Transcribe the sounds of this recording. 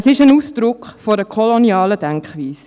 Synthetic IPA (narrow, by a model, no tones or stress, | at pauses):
sɪʃənuːsd̥ɾʊkχfoɾəkʰɔloniɑːləd̥ɛŋkχʋiːs